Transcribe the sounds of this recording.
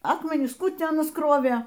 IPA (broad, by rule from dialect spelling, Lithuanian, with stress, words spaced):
ˈɑːkmʲɛnʲɪs ˈkuː ˈtʲiː ˈɑːnɐs ˈkroːʋʲeː